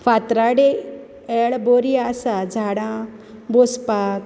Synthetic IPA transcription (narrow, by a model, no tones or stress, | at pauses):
fat̪ɾaɽe | ɛːɭboːɾiaːsad͡ʒʱaːɽã | bospaː